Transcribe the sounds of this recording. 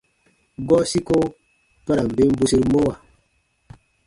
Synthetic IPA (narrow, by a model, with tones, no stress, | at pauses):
ɡɔ˦si˦ko˦ | pa˦ɾa˨m̩˨be˦m˦bu˦se˦ɾmo˦wa˨